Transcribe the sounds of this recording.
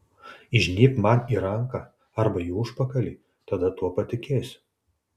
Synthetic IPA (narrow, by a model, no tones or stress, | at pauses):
ɪʒʲnʲiːpmɐniːɾɐŋkɐ | ɐɾbɐjuːʊʃpɐkɐlʲiː | t̪ɐd̪ɐt̪uɔpɐt̪ʲɪkʲeːsʲ